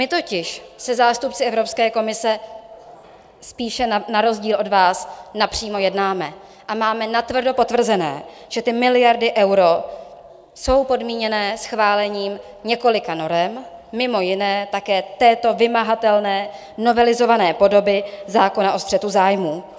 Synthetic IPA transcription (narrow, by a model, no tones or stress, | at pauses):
mɪt̪o̞cɪʃsɛzaːst̪up̚t͡sɪʔɛvɾo̞pskɛːko̞mɪsɛ | spiːʃɛnaɾo̞zɟiːlʔo̞dvaːsnapr̝̥iːmo̞jɛdnaːmɛ | ʔamaːmɛnat̪vr̩do̞po̞t̪vr̩zɛnɛ̰ː | ʒ̥ɛt̪ɪmɪlɪjaɾdɪʔɛwɾo̞ | so̞wpo̞dmiːɲɛnɛːsxvaːlɛɲiːm | ɲɛko̞lɪkano̞ɾɛmːɪmo̞jɪnɛːt̪akɛːt̪ɛːt̪o̞vɪmaɦat̪ɛlnɛː | no̞vɛlɪzo̞vanɛːpo̞do̞bɪzaːko̞naʔo̞st̪r̥ɛt̪uzaːjmuː